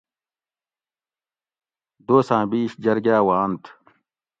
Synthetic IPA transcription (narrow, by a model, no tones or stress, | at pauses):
d̪oːsãːbiːɕd͡ʑɐɾɡaːwaːnt̪ʰ